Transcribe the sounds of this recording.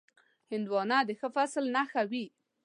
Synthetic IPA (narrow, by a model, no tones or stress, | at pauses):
hɪnd̪wɑnɑd̪əxəfaslnaxawi